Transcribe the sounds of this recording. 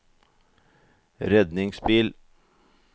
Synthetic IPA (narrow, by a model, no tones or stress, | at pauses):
ɾɛd̪nɪŋspiːl